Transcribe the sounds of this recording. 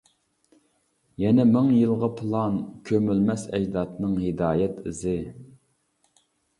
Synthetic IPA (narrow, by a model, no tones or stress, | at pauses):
jɛnɛmɪŋjɨlˠʁɑpʰɨlˠɑnkʲʰømylmɛsɛd͡ʒd̪ɑt̪nɨŋhɪd̪ɑːjɛt̪ɪzɪ